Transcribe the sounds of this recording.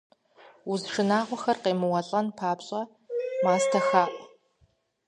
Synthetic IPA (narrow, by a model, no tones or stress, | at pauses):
uzʂɨnaːʁʷɔxɐrqeːmɨwɐɬʼɐnpʰaːbɕʼɐ | maːstʰɐxaːʔʼ